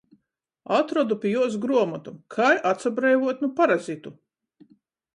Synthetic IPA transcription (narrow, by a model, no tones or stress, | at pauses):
at̪ɾɔd̪upʲijuɔs̬ɡɾuɔmɔt̪umkʰajʔat̪sabɾɛjvuɔt̪ʲnupaɾazit̪u